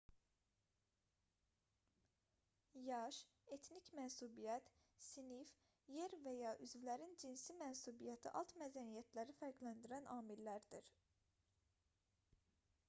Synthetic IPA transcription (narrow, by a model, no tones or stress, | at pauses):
jɑʃ | e̞t̪ʰnicmænsubijæt̪ | sinif | jeɾvæjɑʔyzvilæɾind͡ʒinsimænsubijæt̪ʰḭʔɑlˠt̪mæd̪ænijæt̪ʰlæɾifæɾɡlænd̪iɾænɑːmilːæɾd̪iɾ